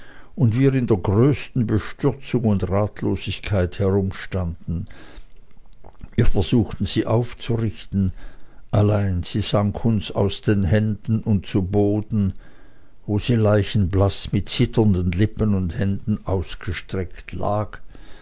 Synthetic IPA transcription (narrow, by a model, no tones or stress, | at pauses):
ʔʊndviːʁɪndeːɐɡʁøːstn̩bəʃtʏʁt͡sʊŋʊndʁaːtʰloːzɪçkʰaɪthɛʁʊmʃtand̥n̩ | viːɐfɛɐz̥uːxtn̩z̥iːʔaʊft͡suʁɪçtn̩ʔalaɪnz̥iːz̥aŋkʰʊnsa̰ʊsd̥eːnɦɛnd̥n̩ʊntt͡suboːdn̩ | voːziːlaɪçn̩blasmɪtt͡sɪtɐndənlɪpənʊndhɛndn̩aʊsɡ̥əʃtʁ̥ɛktʰla̰ːk